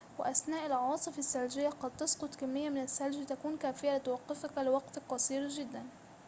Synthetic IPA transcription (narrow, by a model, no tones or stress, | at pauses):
wɪ̰ʔasnaːʔɪlʔʕɑːsˤɨfasːald͡ʒɪjːaqɑd̪̚t̪ɑsqʊt̪ˤkamːɪjːamɪnasːald͡ʒit̪akuːnkaːfɪjalɪt̪wɑqːɪfakalɪwɑqt̪qɑsˤiːɾʒɪd̪ːan